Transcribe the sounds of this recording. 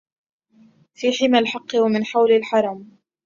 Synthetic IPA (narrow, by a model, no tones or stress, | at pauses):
fiːħɪmalħɑqːɨwamɪnħawlalħɑɾˤɑm